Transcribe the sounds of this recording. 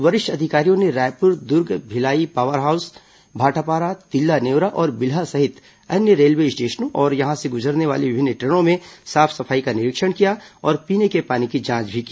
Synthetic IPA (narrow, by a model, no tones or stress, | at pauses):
ʋɐɾɪʃʈɐd̪ʱɪkaːɾijõneɾaːjpʊɾd̪ʊɾɡbʱɪlaːipaːʋəɾɦaːʊs | bʱaːʈʰapaːɾat̪ɪlːaneːʋɾaʔɔːɾbɪlɦasɐɦɪt̪ | ɐnjəɾeːlʋeːsʈeːʃnõʔɔːɾjɐɦãseɡʊd͡ʒəɾneʋa̰ːleʋɪbʱɪnːʈɾeːɽ̃õmẽsaːpʰsɐfʰaːikanɪɾɪkʃəɽ̃kijaɔːɾpiːnekepaːnikid͡ʒãːt͡ʃbʱikiː